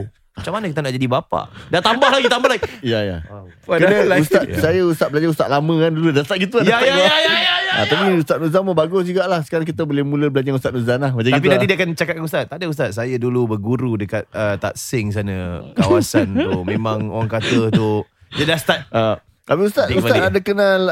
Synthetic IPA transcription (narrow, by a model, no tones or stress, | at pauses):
mat͡ʃamanəkit̪ənaʔd͡ʒadibapa̰dat̪ambaɦlaɡit̪ambahlaɡiijaja̰kəəust̪at̪̚sajaust̪at̪̚bəlaɲd͡ʒaust̪aʔ̪lamə̃kanduludast̪at̪̚ɡit̪̬uanaaaja̰t̪apiust̪at̪̚nuzaməbaɡʊsd͡ʒuɡaʔlahsə̥kaɾaŋk̬it̪əbolemuləbəlaɲd͡ʒaust̪at̪̚nuzanlahbad͡ʒak̪t̪akitpiuãnt̪idiakant͡ʃakat̪̚kanust̪at̪̚ːadəust̪at̪̚sajədulubərɡuɾudəkat̪̚ət̪a̰t̪̚sɪŋs̬anəkawasant̪umẽmãŋo̰ɾaŋkat̪əu | d͡ʒədast̪at̪̚ə | t̪apiust̪at̪ust̪adəkənal